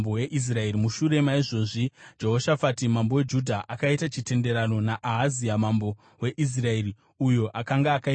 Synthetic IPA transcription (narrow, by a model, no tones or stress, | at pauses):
boweʔis̬rae̞ɾimuʃuɾe̞maiʐo̞ːʐid͡ʒe̞ɦo̞ʃafatimambo̞we̞d͡ʒudʱaʔakaitat͡ʃite̞nde̞ɾano̞naʔaɦaziamambo̞ | we̞ʔis̬rae̞ɾi | ujo̞ʔakaŋɡaːkai